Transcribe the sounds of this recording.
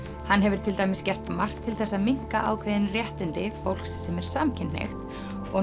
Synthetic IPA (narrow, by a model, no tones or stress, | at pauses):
hanːɦɛvɪɾ̥t̪ʰɪlt̪ajmɪscɛr̥t̪mar̥t̪ʰːɪlθɛsːamiŋ̥ka̰ʔa̰ːwkʰvɛðɪnrjɛht̪ɪnt̪ɪfowl̥kssɛmɛɾ̥saːmcʰɪnḛxt̪ | ɔ